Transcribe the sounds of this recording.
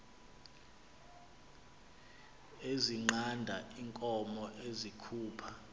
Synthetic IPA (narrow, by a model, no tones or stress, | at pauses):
eziŋ͡ǃandʱaiŋkʼɔmɔʔezikʰuːpʰa